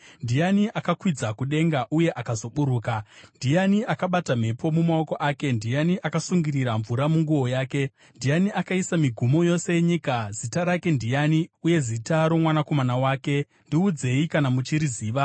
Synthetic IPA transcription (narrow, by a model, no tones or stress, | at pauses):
ndijaniʔakakwid͡zakuɗe̞ŋɡaʔuje̞ʔakazo̞ɓuɾuːkandijaniakaɓatam̤e̞pʰo̞mumao̞ko̞ʔaːke̞ndijaniʔakasuŋɡiriɾaɱvuɾamuŋɡuwo̞jaːke̞ | ndijaniakaisamiɡʱumo̞jo̞se̞jeɲikazitaɾake̞ndijaniuje̞zitaɾo̞mwanako̞manawaːke̞ | ndiud͡ze̞ikanamut͡ʃiɾiziːʋa